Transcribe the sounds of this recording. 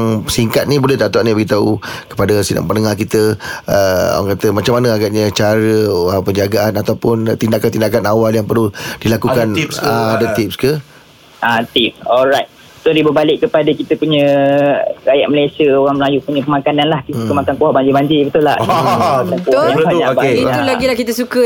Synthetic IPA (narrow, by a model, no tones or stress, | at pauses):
ŋsiŋkat̪̚nibolɛhdat̪uaʔnibəɡit̪aukə̥padəsida̰ŋpənəŋakit̪əə̰waŋkat̪əmat͡ʃamːanəaɡaʔɲat͡ʃaɾəəpəɲd͡ʒaɡaanat̪awpʊnt̪indakant̪indak̬anawaljaŋpəɾlud̥ilakukanaadət̪ipskə | at̪ip̚sɔlɾajt̪̚ | sodibəbalɪkːəpadəkit̪əpuɲə̃ | ɾajaʔ̚məlajsiəoɾaŋməlajupuɲə̃pəmakananlahkikəmakankuaʔbaɲd͡ʒibaɲd͡ʒibət̪ula̰hat̪akubait̪ulaɡilahkit̪əsukə